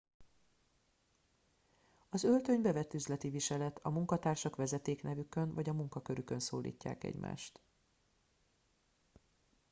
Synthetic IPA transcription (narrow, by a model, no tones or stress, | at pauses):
ɒzø̞lt̪ø̞ɲbɛvɛt̪ːyzlɛt̪iviʃɛlɛt̪ʰɒmuŋkɒt̪aːrʃɒkʋɛzɛt̪eːknɛvykønvɒɟɒmuŋkɒkø̞ɾykø̞nsoːlḭːcːa̰ːkɛ̰ɟma̰ːʃt̪